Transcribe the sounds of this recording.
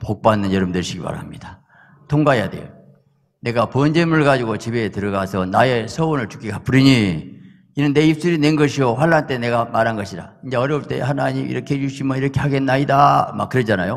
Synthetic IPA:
pok̚p͈anːɯnjʌɾɯmdeɭɕʰiɡipa̰ɾamɲid̥a | tʰoŋɡaja̰de̞̰ | ne̞ɡapuʌnd͡ʑemuɭɡad͡ʑuɡot͡ɕibe̞tɯɾʌɡasʰʌnae̞sʰʌonɯɭt͡ɕu̥k͈iɡap͈uɾiɲi | inɯnːe̞ip̚s͈ɯɾine̞nɡʌɕʰioɸwaɭːant͈e̞ne̞ɡamaɾɦanɡʌɕʰida̰ind͡ʑe̞ʌɾʌɭt͈e̞̰hanaɲimḭɾʌkʰeet͡ɕuɕʰimʌiɾʌkʰe̞haɡe̞nːaidama̰k͈ːɯɾʌd͡ʑanajo

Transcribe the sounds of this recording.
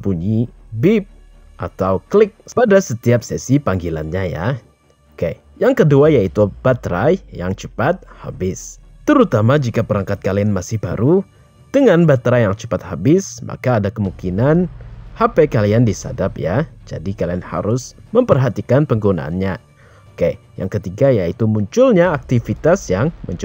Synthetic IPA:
puɲi | bip̚ | ʔat̪awklɪk̚padasət̪iap̚sɛsipaŋɡila̰nɲaja̰ | oke | jaŋkəduajait̪ub̥at̪ɾajjaŋt͡ʃəpat̪̚ha̰bɪs | t̪əɾut̪amad͡ʒikapəɾaŋkat̪̚kalianmasɪhba̰ɾu | d̥əŋanbat̪ɾajaŋt͡ʃəpat̪habɪsma̰kaːdakəmuŋkinanhapɛkaliandisa̰dapjad͡ʒa̰dikalianha̰ɾʊsməmpərɦat̪ikanpəŋɡuna̰a̰nɲa | ke | ja̰ŋkət̪iɡajait̪umuɲt͡ʃʊlɲaːk̚t̪ifit̪asjaŋmṵɲt͡ʃ

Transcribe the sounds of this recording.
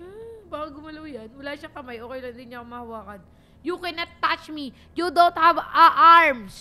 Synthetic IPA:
baːkɐɡʊmɐlowjɐnwɐlaːʃɐŋkɐmajʔoːkejlɐnd̪ɪnɲakmɐhɐwaːkɐd̪ | jukɛnɐt̪ːat͡ʃmi | jud̪ont̪̚hɐvɐʔaɹms

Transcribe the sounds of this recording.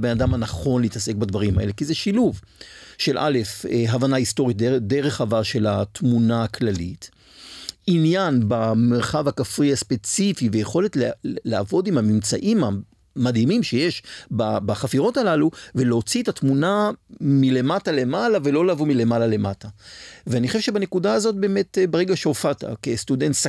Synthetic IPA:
benadamanaχo̞nliːtase̞k̚badvaʁimha̰ʔe̞le̞kizeʃiluvʃe̞lʔa̰le̞feɦavanaisto̞ʁit̚de̞ʁe̞χavaʁʃe̞latmunaklalḭt | injanbameʁχavakafʁiaspe̞t͡sifivejeχo̞letllaavo̞dimamimt͡saʔima | madimimʃe̞jeʃbabaχafiʁo̞talaluveleot͡sietatmunamile̞matale̞malavelo̞laːvomile̞malale̞mataveanixχoʃeʃe̞bane̞kudaːzo̞t̚be̞ːmetbeʁeɡaʃeofata̰kestudentsa

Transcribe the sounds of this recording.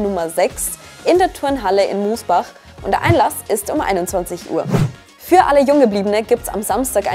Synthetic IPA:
nʊmɐzɛks | ʔɪndeːɐtʰʊɐnɦaləʔɪ̰nmuːsb̥aχ | ʔʊntd̥ḛɐʔa̰ɪnlasʔɪstʊmʔa̰ɪnʊntt͡sv̥ant͡sɪçʔṵːɐ | fyːɐʔaləjʊŋɡəbliːbənəɡiːp̚tsa̰mzamstaːka̰

